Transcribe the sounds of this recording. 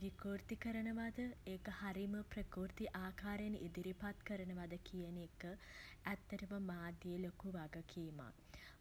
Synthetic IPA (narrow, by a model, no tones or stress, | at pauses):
ʋikoːɾt̪ikəɾənəʋad̪əeːkəhaɾiməprəkoːɾt̪iʔaːkaːɾjenʔed̪iɾipat̪kəɾənəʋad̪əkʰijənekːəæt̪ːɐɾuməmaːd̪jeːlokuʋaɡəkʰima̰